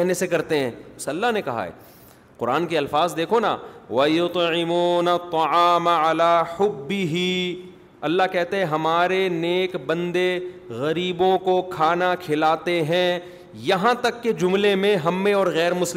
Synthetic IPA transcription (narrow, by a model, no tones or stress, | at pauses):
ɦnesekɐɾt̪eɦɛ̃ːsɐlːaɦnekɐɦa̰ɦɛ̰ː | qʊɾa̰ːnkiɐlfaːzd̪eːkʰona̰ːʋɐjʊt̪ʕɪmuːnɐt̪ːɑʕaːmalaːħʊbːɪɦi | ɐlːaɦkɛɦt̪eɦɛ̃ɦɐmaːɾeneːkbɐ̃nd̪e | ɣɐɾiːbõkokʰaːnakʰɪlaːt̪eɦɛ̃ | jɐɦãt̪ɐkːed͡ʒʊmlemẽɦɐmːeɔːɾɣɛːɾmʊsl